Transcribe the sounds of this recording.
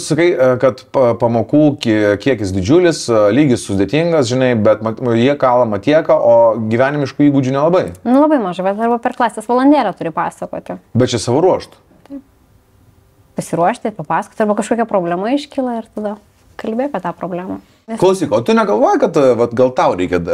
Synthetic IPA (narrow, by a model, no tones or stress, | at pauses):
sɐkɐɪkɐt̪pɐmoːkuːkʲkʲiɛkʲɪsd̪ʲɪd͡ʒʲʊlʲɪslʲiːɡʲɪssʊd̪ʲeːt̪ʲiŋɡɐsʒʲɪnɐɪbʲɛt̪mɐjiɛkɑːlˠɐmɐt̪ʲiɛkɐʔoːɡʲiʋʲæːnʲɪmʲɪʃkuːiːɡʊd͡ʒʲunʲɛlˠɐbɐɪnʊlˠɐbɐɪmɐʒɐɪbʲɛt̪ɐrbɐpʲɛrklˠɑːsʲeːsʋolˠɐnʲd̪ʲæːlʲɛt̪ʊɾʲɪpɑːsɐkoːt̪ʲɪbʲɛt̪̚t͡ʃʲɛsɑʋoːɾuɔʃt̪ | t̪ɐɪp | pɐsʲɪɾuɔʃʲt̪ʲɪpɐpɑːsɐkoːt̪ʲɐɾbɐkɐʃkoːkʲɛpɾoːbʲlʲɛmɐɪʃʲkʲɪlˠɐɪrt̪ɐd̪ɐ | kɐlʲbʲeːɐpʲiɛt̪ɑːpɾoːbʲlʲæːmɐ | nʲɛklˠɐʊsʲiːkoːt̪ʊnʲɛɡɐlˠʋoːjɛkɐt̪ʋɐt̪ɡɐlˠt̪ɐʊɾʲɛɪkʲɛ